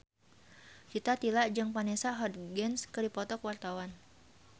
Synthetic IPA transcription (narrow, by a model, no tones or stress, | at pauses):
kit̪at̪ilaʔd͡ʒɨŋpanɛsaɦɔd̪̚ɡɛnskɨdipɔt̪ɔkwart̪awan